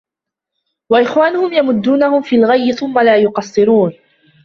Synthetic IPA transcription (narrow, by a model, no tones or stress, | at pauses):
waʔɪxwaːnʊhʊmjamʊd̪ːuːnahʊmfiːlɣajːɪθʊmːalaːjʊqɑsˤːɨɾuːn